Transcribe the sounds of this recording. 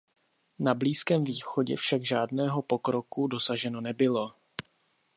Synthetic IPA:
nabliːskɛːmviːxo̞ɟɛ̰fʃaɡʒaːdnɛːɦo̞po̞kɾo̞kudo̞saʒɛno̞nɛbɪlo̞

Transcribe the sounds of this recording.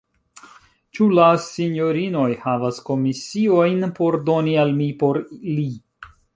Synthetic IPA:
t͡ʃulasiɲo̞ɾino̞jhavasko̞misio̞jnpo̞ɾdo̞nialmipo̞ɾli

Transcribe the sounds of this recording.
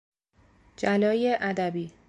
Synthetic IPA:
d͡ʒælɒːjeʔæd̪æbiː

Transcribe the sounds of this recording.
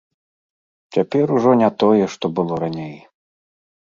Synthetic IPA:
t͡sʲapʲɛɾuʐɔnʲɛt̪ɔjɛʂt̪ɔbɨlˠɔɾanʲej

